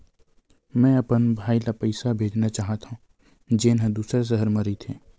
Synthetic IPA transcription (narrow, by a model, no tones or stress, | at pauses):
mɛ̃ːɐpənbʱaːilapəɪsabʱeːd͡ʒnat͡ʃaːɦət̪aɦũː | d͡ʒeːnɦə̃d̪uːsɾes̬əɦəɾmɐɾit̪ʰeː